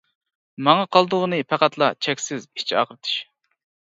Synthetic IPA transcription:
mɑŋɑqʰɑlˠd̪ʊʁənɨpʰæqæt̪lˠɑt͡ʃʰɛkʲsɪzi̥t͡ʃʰɑ̰qəɾɨt̪ʰɨ̥ʃ

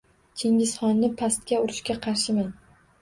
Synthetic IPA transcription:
t͡ʃʲʰeŋʲɪsχɒnːɪpʰast̪̚kʲaʊɾɪʃkʲaqʰɑɾʃɪman

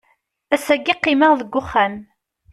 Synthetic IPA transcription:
æsæɡːiqːiməʁðəɡʷːʊχːæn

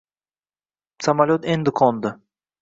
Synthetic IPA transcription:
samalʲot̪end̪ɪkʰɔnd̪ə

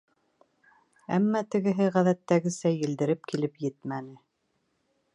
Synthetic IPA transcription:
æmːæt̪ɘ̆ɡɘ̆ɦɘʁæðæt̪ːæɡɘ̆sæjɘ̆ld̪ɘ̆ɾɘp̚kilɘpjɘt̪mænɘ

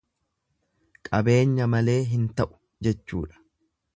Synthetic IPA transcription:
kʼɐbe̞ːɲːɐmɐle̞ːɦɪnt̪ɐʔʊ̥ | d͡ʒɛt͡ʃːṵːᶑɐ̥

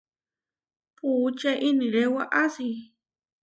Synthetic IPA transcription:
puːt͡ʃaʔiniɾewaʔasi

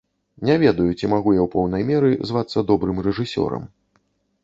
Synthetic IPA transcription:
nʲɛvʲɛd̪ɐjut͡sʲimaɣujawpɔwn̪ɐjmʲɛɾɨzvat̪sːɐd̪ɔbɾɨmrɛʐɨsʲɔ̰ɾɐ̰m

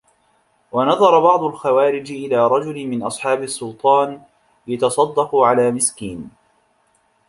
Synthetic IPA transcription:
wɑnɑðˤɑɾˤɑbɑʕd̪ˤʊlxawaːɾɪd͡ʒɪʔɪlaːɾˤɑd͡ʒʊlmɪnʔɑsˤħɑːbɪsːʊlt̪ˤɑːn | jat̪ɑsˤɑd̪ːɑqʊʕalaːmɪskiːn

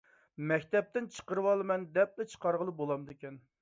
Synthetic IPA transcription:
mɛkʲt̪ɛp̚t̪ɪnt͡ʃʰə̥qəɾɨwɑlˠɨmɛnd̪ɛp̚lɛt͡ʃʰə̥qʰɑɾʁəlˠɨbolˠɑmd̪ɪkʲɛn

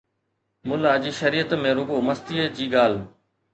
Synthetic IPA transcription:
mʊlaːd͡ʑiːʃɐɾiːət̪mẽːɾʊɡoːməst̪iːəd͡ʑiːɡaːl̤

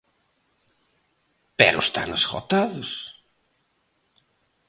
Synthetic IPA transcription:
pɛɾʊst̪a̰nasxo̰t̪aðʊs

